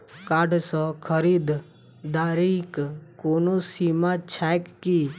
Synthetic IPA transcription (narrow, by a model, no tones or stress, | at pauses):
kaːɖsɔ̃kʰəɾiːd̪ | d̪aːɾikkoːnosiːmãt͡ʃʰɛkːi